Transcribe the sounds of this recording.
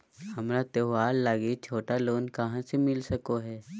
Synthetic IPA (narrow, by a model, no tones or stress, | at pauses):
hɐmɾat̪eʋaːlːaːɡet͡ʃʰoːʈaloːnkɐɦãsemɪlsɐkoɦɛː